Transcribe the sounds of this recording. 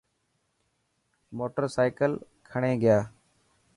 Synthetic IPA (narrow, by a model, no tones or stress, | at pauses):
moːʈəɾsaːɪkəl | kʰəɳẽːɡɪjaː